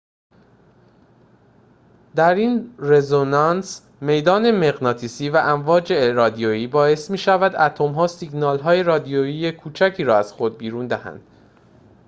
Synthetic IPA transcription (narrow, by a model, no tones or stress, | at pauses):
d̪æɾiːnrezonɑns | me̞jd̪ɒːne̞meɣnɒːt̪ʰiːsiːvæʔæɱvɒːd͡ʒeɾɒːd̪ijojiːbɒːe̞smiːʃævæd̪æt̪ʰomɦɒːsiɡnɒːlɦɒːje̞ɾɒːd̪ioiːjekʰuːt͡ʃʰæcʰiːɾɒːæz̥xo̞d̪̚biːɾuːnd̪æhæ̰nd̪̥